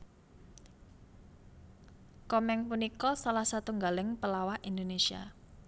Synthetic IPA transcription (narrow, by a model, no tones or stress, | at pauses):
kɔmɛŋpunikɔsalahsat̪uŋɡalɪŋpəlawaʔind̪onesia̰